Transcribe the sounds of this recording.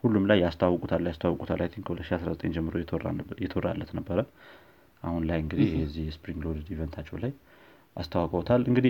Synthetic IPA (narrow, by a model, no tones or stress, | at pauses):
hulːumlajːast̪ʰawːəkʼut̪ʰalːajast̪ʰawːəkʼut̪ʰalajt̪ʰiŋkʰəhulət̪ʃiasɾazət̪ʼeɲd͡ʒɛmːɨɾojɛt̪ʰora̰lːət̪nəbːəɾə | ʔahunlajɨŋɡɨd̪ihjɛzːihjɛspɾiŋɡlod̪ivɛnt̪ʰat͡ʃːɛwlaj | ʔast̪ʰawəkʼot̪ʰalʔɨŋɡɨd̪i